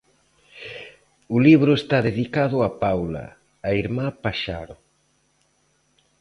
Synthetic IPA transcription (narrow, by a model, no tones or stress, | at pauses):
ʊliβɾʊest̪aðeðikaðʊapawlɐ̰ː | iɾmapaʃa̰ɾʊ